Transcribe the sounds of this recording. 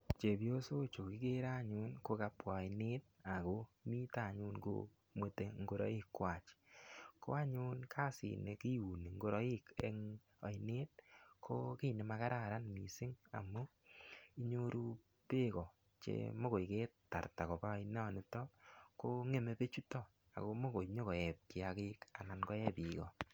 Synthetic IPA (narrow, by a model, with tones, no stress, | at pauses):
t͡ʃe˨pjo˦so˦t͡ʃo˨ki˦ke˦ɾa˦˨ɲʊ˦nko˧ka˧pwa˨i˨ne˦t̚ | a˨ko˦mi˦ta˨ɲu˦nko̰ | mwe˨te˨ŋɡo˨ɾɔ̰˦i˦kːwa˨t͡ʃkʰo̰˦a˦ɲʊ˦nkʰa˦sḭ˨ne˨ki˦u˨ni˨ŋɡo˦ɾɔ˦i˦kḛ˦ŋ | ɔ̰˨jne˦t̚kʰo˦ki˦ne˨ma˧ka˦ɾa˦˨ɾa˦nmi˨sɪ˦ŋa̰˨mu˦ | i˦ɲo˦ɾu˦ | pe˦kɔ˨ | t͡ʃḛmo˦ko˨ike˦tta̰˨ɾta˨ko˨pa˦in˦ɔ˨nɪ˦tɔ˦ko˦ŋe˦˨me˨pe˦t͡ʃu˦tɔ˦ | a̰˨ko˧mo˦ko˨jɲo˦kɔ˨ɛ˨p̚ki˦akɪ˦ka˨na˨nkɔ˦ɛ˦pi˨kɔ˨